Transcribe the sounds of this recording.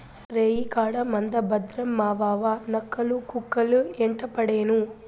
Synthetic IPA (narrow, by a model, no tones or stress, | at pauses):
ɾeːjikaːɽɐmɐnd̪ɐbɐd̪ɾɐmːaːʋaːʋanɐkːɐlukukːɐlueɳʈɐpɐɽeːnu